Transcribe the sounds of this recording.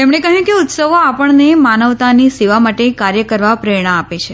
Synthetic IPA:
t̪emɽekəɦjũkeʊt̪səʋoapəɳnemanəʋt̪aniseʋamaʈekaɾjəkəɾʋapɾeɳ̃aːpet͡ʃʰe

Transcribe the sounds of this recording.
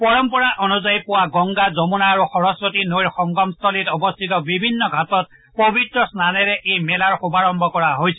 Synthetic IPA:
pɔɹɔmpɔɹaʔɔnuzajpʊwaɡɔŋɡazɔmunaːɹuxɔɹɔspɔtinojɹxɔŋɡɔmst̪ʰɔlitɔbɔst̪ʰitɔbibʱinːɔɡʱatɔt̚ | pobʱitɹɔsnanɛɹɛʔejmɛlaɹxubaɹɔmbʱɔkɔɹaɦojsʰɛ

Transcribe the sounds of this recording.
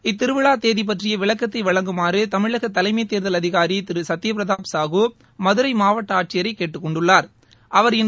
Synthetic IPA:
ɪt̪ːɪɾɯʋɪɭaːt̪eːðip̬ɐʈrɪjɐʋɪɭɐkːɐt̪ːɐɪʋɐɭɐŋɡɯmaːɾɯt̪ɐmɪɭɐɣɐt̪ːɐlɐɪmɐɪt̪ːeːɾðɐlɐðɪɣaːɾit̪ɪɾɯsɐt̪ːɪjɐpɪɾɐðaːpsaːɣuː | mɐðɯɾɐɪmaːʋɐʈːɐaːʈ̚t͡ʃːɪjɐɾɐɪkːeːʈːɯkːɔɳɖɯɭːaːɾ | ʔɐʋɐɾɪn

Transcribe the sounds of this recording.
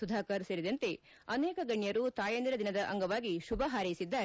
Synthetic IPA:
ud̪ʱaːkaːɾseːɾid̪ɐnt̪e̞ | ɐnɛːkɐɡɐɳjɐɾut̪aːjɐnd̪iɾɐd̪inɐd̪ɐʔɐŋɡɐʋaːɡiʃubʱɐɦaːɾɐjisid̪ːaːɾ

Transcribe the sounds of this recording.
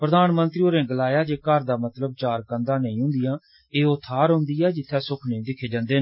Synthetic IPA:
pɾəd̪aːnmənt̪ɾiːoːɾẽːɡəlaːjaːd͡ʒeːkəɾd̪aːmət̪ləb̚t͡ʃaːɾkənd̪ãːnəĩːɦʊ̃ːnd̪ɪjãː | eːot̪ʰːaːɾɦʊ̃ːnd̪iːɛːd͡ʒɪt̪ʰːɛːsʊkʰnẽːd̪ɪkʰeːd͡ʒãːnd̪eːnː

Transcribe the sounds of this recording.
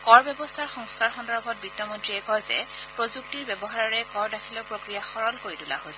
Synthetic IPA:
kɔɹbjɛbɔstʰaɹxɔŋskaɹxɔndɔɹbʱɔt̚bɹitːɔmɔntɹiɛkɔjzɛ̰ | pɹozuk̚tiɹbɛbɔɦaaɹɛkɔɹdakʰilɔpɹokɹijaxɔɹɔlkoɹitula̰ɦosɛ

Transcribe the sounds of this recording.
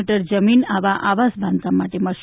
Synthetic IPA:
ʈəɾd͡ʒəminaʋaʔaʋasbʱãnt̪amaʈeməʃ

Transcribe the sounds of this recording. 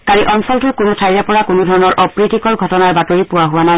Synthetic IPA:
kaɹiʔɔnsɔltʊkʊnʊtʰajzapɔɹakʊnʊdʱɔɹɔnɔɹʔɔpɹitikɔɹɡʱɔtɔnaɹbatoɹipʊwaɦʊwanaj

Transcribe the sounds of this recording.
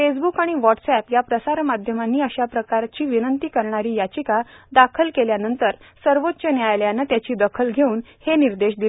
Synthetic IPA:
fesbukaɽ̃iʋɔʈsɛpjapɾəsaɾmad̪ʱjəmanːiːəɕapɾəkaɾt͡ɕiːʋinənt̪iːkəɾɳaɾiːjat͡ɕikad̪akʰəlkeljanənt̪əɾ | səɾʋot̪ːɕənjajljanət̪jat͡ɕiːd̪əkʰəlɡʱeuːn | heniɾd̪eɕd̪il

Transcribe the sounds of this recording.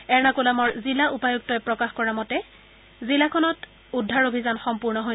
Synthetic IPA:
ɛɹnakolamɔɹzilaʔupajuk̚tɔjpɹɔkaxkɔɹamɔtɛ | zilakʰɔnɔt | udʱːaɹobʱizanxɔmpuɹnɔɦo

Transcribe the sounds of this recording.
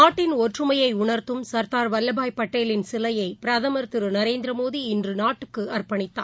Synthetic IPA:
naːʈːɪnɔʈrɯmɐjɐɪʊɳɐɾt̪ɯmsɐɾt̪aːɾʋɐlːɐbaːjpːɐʈːeːlɪnsɪlɐjɐɪpɪɾɐðɐmɐɾt̪ɯɾɯnɐɾeːnd̪ɾɐmoːðiɪndrɯnaːʈːɯkːɯɐrpɐɳɪt̪ːa̰ː

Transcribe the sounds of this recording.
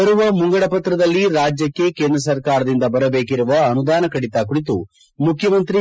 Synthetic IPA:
ɐɾuʋɐmuŋɡɐɽɐpɐt̪ɾɐd̪ɐlːiɾaːd͡ʒjɐkːe̞keːnd̪ɾɐs̬ɐɾkaːɾɐd̪ind̪ɐbɐɾɐbe̞ːkiɾuʋɐːnud̪aːnɐkɐɽit̪aːkuɽit̪u | mukʰjɐmɐnt̪ɾi

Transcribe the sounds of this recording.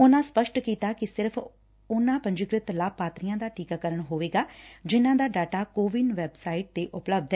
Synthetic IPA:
ʊnãːspəʃʈkiːt̪aːkɪsɪɾpʰ | ʊnãːpə̃ɲd͡ʒɪɡɾɪt̪laːpːaːt̪ɾijãːd̪aːʈiːkaːkəɾəɳɦoːʋeːɡaːd͡ʒɪnãːd̪aːɖaːʈaːkoːʋɪnʋɛːbsaːɪʈ̚t̪eːʔʊpləb̚d̪ɛː

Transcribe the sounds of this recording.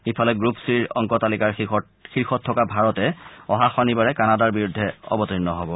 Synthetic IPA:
xipʰalɛɡɹupsiɹɔ̰ŋkɔtalikaɹ | xiɹxɔtʰːɔkabʱaɹɔtɛɔɦaxanibaɹɛkanadaɹbiɹudʱːɛɔ̰bɔtinːɔɦɔbɔ

